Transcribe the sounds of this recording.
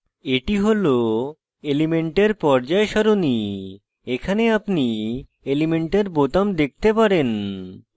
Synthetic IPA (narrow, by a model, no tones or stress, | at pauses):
eʈiɦolo | elimeɳʈeɾpɔɾd͡ʑaeʃɔɾoni | ekʰaneapni | elimeɳʈeɾbot̪amd̪ek̚t̪epaɾen